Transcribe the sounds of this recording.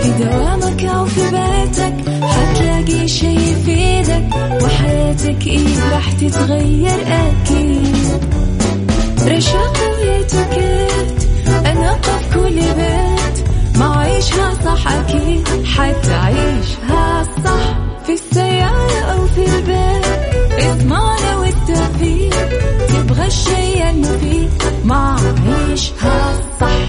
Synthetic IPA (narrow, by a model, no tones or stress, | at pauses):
fɪd̪awaːmakʔawfibeːt̪ak | ħat̪laɡiʃajfiːd̪ak | wɪħajaːt̪akʔiːɾˤɑːħt̪ɪt̪ɣajːɑɾˤʔakid̪ | ɾˤɑʃaːqɪjːaːt̪ʊka | t̪ʔanɑt̪ˤːɑfkʊlːbaːt̪maʕʕiːʃhasˤɑħːʔakiːd̪ħaːθʔaʕiːʃhasˤɑħ | fisːajːaːʔʔawfilbeːt̪jɑðˤmɑnawɪt̪ːaθiːt̪ɪbɣaʃːajʔanːafiː | maʕʕiːʃhasˤɑħ